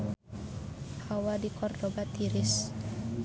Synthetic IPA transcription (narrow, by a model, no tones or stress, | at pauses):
hawadikɔrdɔbat̪iɾɪs